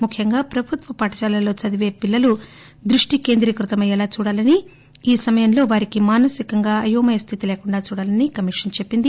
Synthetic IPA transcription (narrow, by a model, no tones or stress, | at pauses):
mukʰːjɐŋɡaːpɾɐbʱut̪ʋɐpɐːʈɐt͡ʃaːlɐlo̞ːt͡ʃɐd̪iʋeːpilːɐlu | d̪ɾuʂʈike̞ːnd̪ɾikɾut̪ɐmɐjɐlaːt͡ʃuːɽaːlɐni | iːsɐmɐjɐmlo̞ːʋaːɾikimaːnɐsikɐŋɡaːɐjuːmɐjɐst̪ʰit̪ile̞ːkuɳɖaːt͡ʃuːɽaːlɐnikɐmiʂɐnt͡ʃe̞pːind̪i